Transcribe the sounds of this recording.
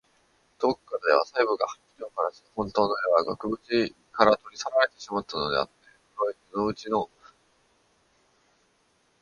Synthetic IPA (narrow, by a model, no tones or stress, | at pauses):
d̪̥okːaɾd̪e̞β̞a̰saibɯ̟ɡahḁkʲːi̥ɾʲiokaɾaɕi̥hõ̞nt̪o̞ːnoeβaɡakɯ̟bɯ̟t͡ɕi | kaɾat̪o̞ɾʲisaɾaɾe̞t̪e̞ɕimat̪ːano̞d̪e̞̰a̰t̪ːe̞ | ɯɾoit͡sɨno̞ɯ̟t͡ɕino̞